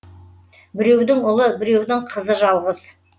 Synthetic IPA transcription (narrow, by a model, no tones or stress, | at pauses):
bɪɾe̞wd̪ɪŋʊlˠəbɪɾe̞wd̪ɪŋqʰəzəʒɑlˠʁəz